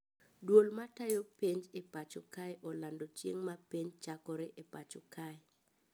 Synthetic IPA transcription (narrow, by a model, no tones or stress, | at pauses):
dwolmatajopeɲd͡ʒepat͡ʃɔkajʔɔlandot͡ʃjḛŋmapeɲt͡ʃakɔɾeʔepat͡ʃɔkaj